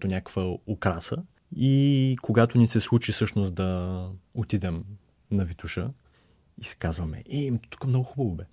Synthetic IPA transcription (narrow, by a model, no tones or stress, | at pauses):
t̪onʲakə̥kvəokɾasə | ikoɡat̪ʊnisɛslˠut͡ʃifsɤʃnosd̪ɐot̪id̪ɛm | nɐvit̪uʃə | isɛ̥kazvɐmɛ̰ʔɛimt̪u̥kəmnɔɡʊxubɐvobɛ